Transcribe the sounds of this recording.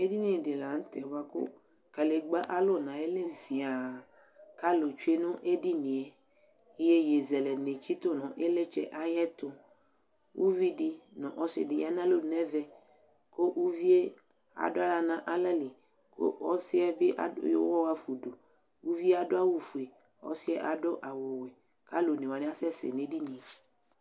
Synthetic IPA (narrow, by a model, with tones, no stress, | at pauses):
e˦di˦nĩ˨˦e˨dɪ˨la˨n̩˦t̪ɛ˨wa˦kʊ̰˦ | ka˨le˨ɡ͡ba˦ʔa˦lo˦˨nã˨e˦le˦zi˨a˨ | ka˦lo˨t͡ʃu˦e˦nʊ̃˦ʔe˦di˦nĩ˨ɛ˨ | i˦je˦je˨zɛ˨lɛ˨ne˨t͡ʃi˦t̪ʊ˦nɔ̃˨ʔe˦le˦t͡ʃɛ̰˦ʔa˦jɛ˦t̪ʊ˦ | wu˦vi˦di˦nɔ̃˨ʔɔ˦sɪ̰˨dɪ˨ja˦nã˦lo˦˨nɛ˦vɛ˦ | ko˦ʔwu˦vi˦e˦ | a̰˨dʊ˦a˦la˨nã˦ʔa˦lɛ˦lɪ˨ | ko̰˦ɔ˦sɪ˦ɛ˦be˦ʔa̰˦jo̰˦wɔ˦wa˦fu˨do˨ | wu˦vi˦a˦dʊ˦a˦wu˨fu˨e˨ | ɔ̰˦sɪ˦ɛ˦ʔa˨dʊ˦ʔa˨wʊ˨we˨ | ka˦lo˨ne˨wa˨nɪ̃˦a˦sɛ˦sḛ˨nẽ˨di˦nĩ˨e˨